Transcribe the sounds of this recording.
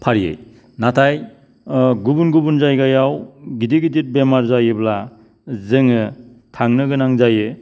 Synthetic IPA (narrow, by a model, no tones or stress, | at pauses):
pʰaɾijḛj | natʰaj | ɡubunɡubunzajɡajawɡidiɡidit̚bemaɾzajɯbla | zɯŋɯ | tʰaŋnɯɡɯnaŋzajɯ